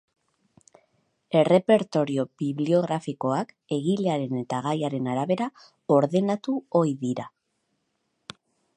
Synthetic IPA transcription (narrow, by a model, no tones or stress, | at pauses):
e̞re̞pe̞ɾt̪o̞ɾio̞biβlio̞ɣ̞ɾafiko̞ak | e̞ɣileaɾe̞ne̞t̪aɣ̞ajaɾe̞naɾaβe̞ɾa | o̞ɾðe̞nat̪uo̞jðiɾa